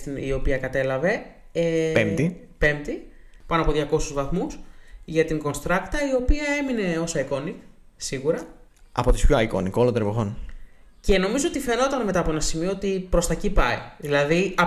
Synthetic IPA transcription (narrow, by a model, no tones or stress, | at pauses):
ḭo̞piɐkɐt̪e̞lɐve̞ | eemt̪i | pe̞mt̪i | pɐnoɐpoðʝɐko̞suzvɐθmusʝɐt̪iŋɡo̞nst̪ɾɐkt̪ɐio̞piɐe̞mine̞o̞sɐiko̞nik | siɣuɾɐɐ̰po̞t̪ispçoɐiko̰nikolot̪eɾevoxo̞n | ce̞no̞mizoot̪ife̞no̞t̪ɐnme̞t̪ɐːpo̞enɐsimio̞ot̪ipɾo̞st̪ɐcipɐiðilɐðiɐ